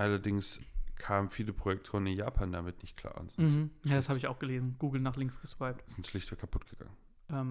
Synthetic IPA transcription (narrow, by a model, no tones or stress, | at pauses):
ʔalɐdɪŋskʰaːmənfiːləpʁ̥ojɛk̚tʰoːənɪnjaːpʰaːndamɪtnɪçt̚kʰl̥a̰ːɐʔʊ̰nz̥ɔm̩shm̩jaːdashaːbəɪçaʊxɡ̥əleːzn̩ɡ̥uːɡl̩naːχlɪŋksɡ̥əʃv̥aɪp̚tz̥ɪntʃlɪçtv̥əkʰapʰʊtɡ̥əɡ̥a̰ŋən | ʔɛːm